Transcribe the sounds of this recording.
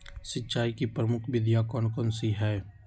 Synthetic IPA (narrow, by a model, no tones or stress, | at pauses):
sɪtːʃaːikipɾəmʊkʰʋɪd̪jakɔːnkɔːnsiɦɛː